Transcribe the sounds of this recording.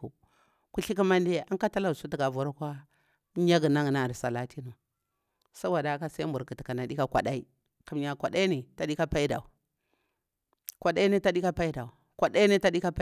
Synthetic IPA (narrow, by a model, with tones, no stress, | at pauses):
ṵ˨ | ku˦ɬi˦k̬i˦ma˦nde˦a˦ŋka˦ta˦la˨u˨su˦ti˨ɡa˨vu˨ɾa˦kʷa˦ | ɲa˦ɡu˨na˦ŋ˨na˨ɾsa˨la˦ti˦nu˨ | sa˦wa˨da˨˦ka˦sa˦i˦mbu˨ɾki˨ti˨ka˨na˨di˦ka˦kʷa̰˨ɗa˦i˦ | ku˨mɲa˨kʷa˨da˦i˦ni˨ta˨ɗi˦ka˦pa˦i˦da̰˨u˨ | kʷa˨ɗa˦i˦ni˦ta˦ɗi˦ka˦pa˦i˦da˨u˨ | kʷa˨da˦i˦ni˦ta˦di˦ka˦p